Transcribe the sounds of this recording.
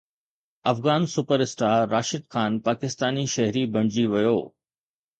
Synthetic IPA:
ɐfɣaːnsʊpəɾɪsʈaːɾːaːʃɪd̪xʰaːnpaːkɪst̪aːniʃɐɦɾibʱɐ̃ɳ̃d͡ʑiʋɐjoː

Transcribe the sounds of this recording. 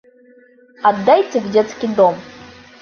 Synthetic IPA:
ɐd̪ːajtʲɪvdʲet̪skʲid̪om

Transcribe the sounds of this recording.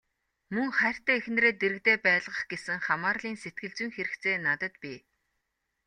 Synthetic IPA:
mɵŋχæːr̥ʲt̪æːixnreːt̪eɾɘ̆k̚t̪eːpæːɮʁə̆χɡ̥esɘ̆ŋχamaːrɮiːnset̪̚ɡɘ̆ɮt͡swŭŋxeɾɘ̆kt͡seːnat̪ə̆t̪pʲiː

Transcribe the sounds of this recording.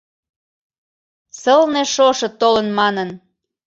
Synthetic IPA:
səlneʃoʃɤ̆t̪olənmɑnən

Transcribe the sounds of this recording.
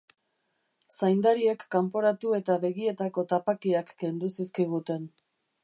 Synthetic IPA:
sajnd̪aɾie̞kːampo̞ɾat̪ue̞t̪aβe̞ɣie̞t̪ako̞t̪apakiakːe̞nd̪usiskiɣ̞ut̪e̞n

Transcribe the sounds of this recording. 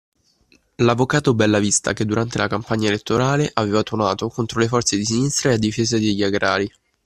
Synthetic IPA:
lavːokaːt̪obɛlːavist̪a̰ked̪ːuɾant̪elakampaɲːaelet̪ːoɾaːleʔaveːvat̪ornaːt̪okont̪ɾolefɔrt̪sed̪is̬inist̪ɾaead̪ːifeːzad̪eʎːaɡɾaːɾi

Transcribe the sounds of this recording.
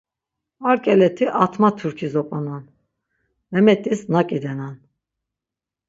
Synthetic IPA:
aɾkʼɛlɛt̪ʰiʔat̪ʰmat̪ʰuɾkʰizɔpʼanan | vɛmɛt̪ʼisnakʼid̪ɛnan

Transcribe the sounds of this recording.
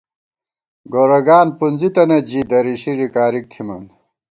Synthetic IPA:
ɡoːɾɐɡaːnpunzit̪ɐnɐd͡ʑid̪ɐɾiɕiɾikaːɾik̚t̪ʰimɐn

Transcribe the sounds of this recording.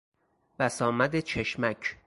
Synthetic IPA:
b̥æsɒːmæd̪et͡ʃʰe̞ʃmæcʰ

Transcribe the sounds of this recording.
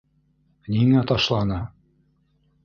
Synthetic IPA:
niŋæt̪ɑʃlˠɑnɤ

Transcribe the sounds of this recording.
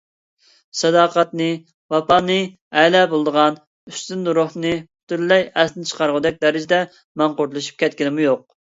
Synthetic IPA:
sɛd̪ɑːqɑt̪nɨ | wɑpɑnɨ | ɛlɛbolˠd̪əʁɑn | yst̪ynːuɾohnɨpt̪yɾlːɛjɛsnɪt͡ʃʰə̥qʰɑɾʁəd̪ɛk̚ʲd̪ɛɾɪd͡ʒɪd̪ɛ | mɑɴqʊɾlˠɨʃy̥p̚kʲʰɛt̪̚kʲinɪmujoq̚

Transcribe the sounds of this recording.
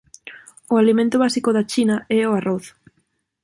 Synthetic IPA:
ʊalimẽnt̪ʊβasikoðat͡ʃinaɛoaroθ

